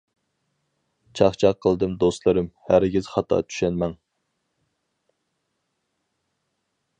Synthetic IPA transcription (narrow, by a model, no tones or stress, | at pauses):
t͡ʃʰɑχt͡ʃʰɑqʰːəlˠd̪ɨmd̪ost̪lˠɨɾɨmhæɾɡʲiz̥χɑt̪ʰɑ̰t̪ʰy̥ʃɛnmɛŋ